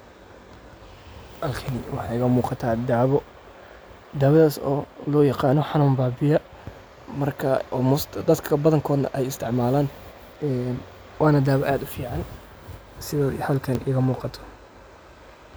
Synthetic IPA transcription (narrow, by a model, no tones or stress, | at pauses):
hɐlkʰɐnɪwɑħɑɪɣɐmuːqɑt̪ʰaːd̪aːβɔ | d̪aːwɐðaːsɔ̰ːlɔːjɑqɑːnɔħɑnʊmbaːbɪjɐ | mɐrkʰɐɔmɔsd̪ɐd̪kʰɐbɐðɐŋkʰɔːd̪nɐ̰ʔɛjɪst̪ʰɪʕmaːlaːn | ɛn | wɑːnɐd̪aːβɔʔaːd̪ʊfiːʕɑn | sɪðaːd̪hɐlkʰɐnʔɪɣɐmuːqɑt̪ʰɔ̥